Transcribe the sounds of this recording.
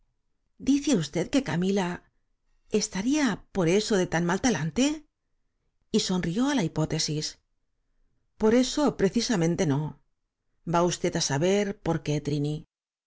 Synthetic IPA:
d̪iθeust̪e̞ðke̞kamila | est̪aɾiapo̞ɾe̞so̞ðe̞t̪anmalt̪alant̪e̞ | iso̞nrio̞alaipo̞t̪e̞sis | po̞ɾe̞so̞pɾe̞θisamẽ̞nt̪e̞no̞ | baust̪e̞t̪asaβe̞ɾpo̞ɾke̞t̪ɾini

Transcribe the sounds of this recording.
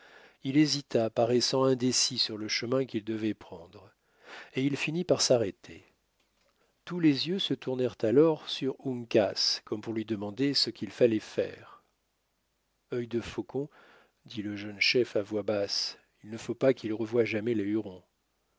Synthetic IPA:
ilezit̪apaʁɛsɑ̃ɛ̃d̪esisyʁləʃəmɛ̃kild̪əvɛpχɑ̃d̪ʁ | eilfinipaʁsaʁɛt̪ʰe | t̪ulezjøsət̪uʁnɛʁt̪alɔʁsyʁuŋkaskɔmpuʁlɥid̪əmɑ̃d̪esəkʲilfalɛfɛ̰ːʁ | œjd̪əfokɔ̃ | d̪iləʒənʃɛfavwabas | ilnəfopakilʁəvwaʒamɛleyʁɔ̃

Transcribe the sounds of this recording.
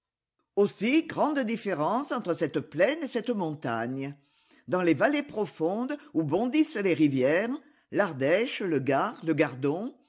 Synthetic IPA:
osiɡʁɑ̃d̪əd̪ifeʁɑ̃sɑ̃t̪χəsɛt̪əplɛnesɛt̪əmɔ̃t̪a̰ɲə | d̪ɑ̃levalepχɔfɔ̃d̪ubɔ̃d̪isəleʁivjɛʁ | laʁd̪ɛʃləɡaʁləɡaʁd̪ɔ̃

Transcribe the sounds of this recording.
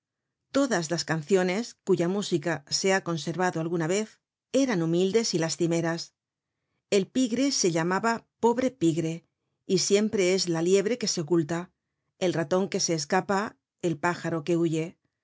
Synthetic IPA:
t̪o̞ðazlaskan̟θjo̞ne̞skuʝamusikase̞ako̞nse̞ɾβaðoalɣunaβe̞θ | e̞ɾanumild̪e̞silast̪ime̞ɾas | e̞lpiɣɾe̞se̞ʎamaβapo̞βɾe̞piɣɾe̞ | isje̞mpɾe̞e̞zlalje̞β̞ɾe̞ke̞se̞o̞kult̪a | elrat̪o̞ŋke̞se̞ːskapa | elpaxaɾo̞ke̞uʝe̞

